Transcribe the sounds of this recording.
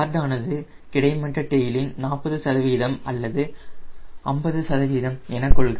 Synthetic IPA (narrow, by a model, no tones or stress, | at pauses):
ɾd̪aːnɐðɯ | kɪɽɐɪmɐʈrɐʈːɛjɪlɪnnaːpːɐðɯsɐðɐʋiːðɐmɐlːɐðɯ | ɐmbɐðɯsɐðɐʋiːðɐmɛnɐkːɔɭɣɐ